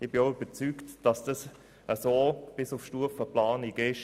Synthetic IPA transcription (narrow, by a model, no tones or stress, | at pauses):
ɪbɪoyb̥əɾt͡syːktd̥ɑsd̥ɑs | əsoːb̥ɪsʊfʃtuəfəplaːniɡɪʃ